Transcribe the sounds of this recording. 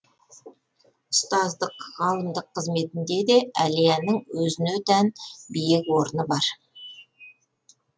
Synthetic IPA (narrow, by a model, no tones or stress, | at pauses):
ʊst̪ɑzd̪əqʁɑlˠəmd̪əqʰːəzme̞t̪ɪnd̪e̞d̪e̞ælijænəŋwɵzɪnet̪ʰænbijɪkwo̞ɾənəbɑɾ